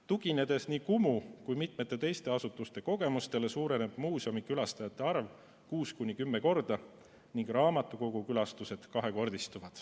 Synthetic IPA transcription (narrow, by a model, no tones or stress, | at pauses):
t̪uɡine̞d̪̥e̞sniːkumukujmit̪me̞t̪ːˑet̪e̞jst̪e̞ɑsut̪ˑːust̪e̞ko̞ɡe̞must̪e̞le̞suːɾe̞ne̞b̥muːso̞mikylɑst̪ɑjɑt̪ˑːe̞ɑrv | kuːskunʲːikymːe̞ko̞rd̪̥ɑ | niŋɡ̥rɑːmɑt̪ːˑuko̞ɡ̥ukylɑst̪use̞d̪̥kɑɦe̞ko̞rd̪̥ist̪uvɑd̪̥